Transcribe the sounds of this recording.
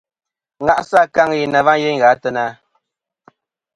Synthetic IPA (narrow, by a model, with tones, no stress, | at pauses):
ŋa˨ʔsa˦˨ka˦ŋi˨na˨va˦je˦ŋ˨ɣa˨˦tə˦na˦